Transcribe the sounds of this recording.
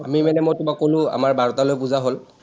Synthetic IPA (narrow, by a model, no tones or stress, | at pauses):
amimɛnɛmɔjtʊbakolʊ̃a̰maɹbʱaɹɔtalojpuzaɦol